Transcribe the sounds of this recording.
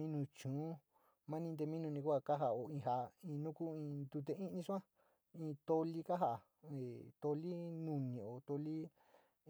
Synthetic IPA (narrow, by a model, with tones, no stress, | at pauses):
mĩ˦nũ˧t͡ʃũː˨˦ | mã˦nĩ˧nd̪e˧mĩ˦nũ˧nĩ˧kʷa˦˧˨ka˦ɦa˧˨o˨ĩ˧ɦa˧ĩ˧nũ˦ku˦ĩ˧d̪u˧t̪e˧ĩ˦˧nĩ˧ʂu˦ã˦ | ĩ˧t̪o˧li˦ka˦ɦa˦˨ʔa˨ | e˨t̪o˧li˦nũ˧nĩ˨o˨t̪o˧li˦